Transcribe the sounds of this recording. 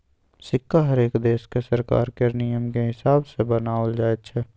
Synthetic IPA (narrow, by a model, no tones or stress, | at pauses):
sɪkːaɦɐɾeːkd̪eːskesəɾka̰ːɾkenijəmkeɦɪsaːbsebənaːəld͡ʒaːet̪t͡ʃʰɛː